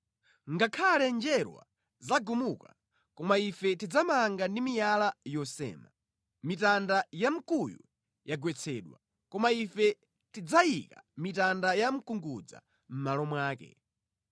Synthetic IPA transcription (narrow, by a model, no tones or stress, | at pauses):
ŋɡakʰalɛnd͡ʒɛɾwa̰ | zaɡumuka | kɔmaifɛtid͡zamaŋɡandimijalajɔsɛ̰ːma̰ | mitandajam̩kujṵ | jaɡwɛt͡sʰɛːɗwa̰ | kɔmaifɛ | tid͡zaikamitandajam̩kuŋɡud͡za̰ | m̩malɔmwaːkɛ̰